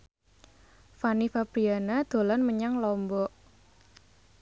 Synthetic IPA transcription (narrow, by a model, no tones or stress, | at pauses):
fanifabɾianad̪̥o̤lanməɲaŋlɔmbɔʔ